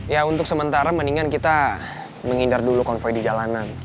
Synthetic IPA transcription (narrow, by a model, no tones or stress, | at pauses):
jaunt̪ʊk̚səmənt̪aɾaməniŋankit̪a | məŋindardulukɔnfɔjdid͡ʒalanan